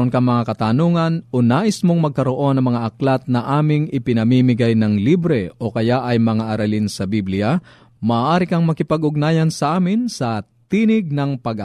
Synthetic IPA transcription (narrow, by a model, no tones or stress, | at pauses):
onkɐŋmɐŋakɐt̪anoːŋɐnʔonaːʔɪsmoŋmɐɡ̚kɐɾoʔo̞nɐŋmɐŋaʔɐklat̪̚nɐʔaːmɪŋɪpɪnɐmimɪɡajnɐŋlibɾɛʔo̞kɐjaʔɐjmɐŋaʔɐɾɐlinsɐbiblɪa | mɐʔːʔaːɾɪkɐŋmɐkɪpɐɡʔʊɡ̚naːjɐnsɐʔaːmɪnsɐ | t̪iːnɪɡ̚nɐŋpɐɡ